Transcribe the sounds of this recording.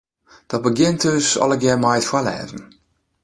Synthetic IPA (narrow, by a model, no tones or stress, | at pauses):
d̥ɔt̚bəɡjɪntʰøsɔ̰lˠəɡjɛmajətfwalɛ̰ːvən̩